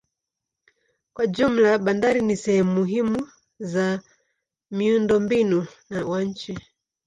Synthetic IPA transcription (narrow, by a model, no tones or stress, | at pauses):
kwad͡ʒum̩laɓandaɾinisɛhɛmumuɦimu | za | miundɔmbinunawaɲ̩t͡ʃi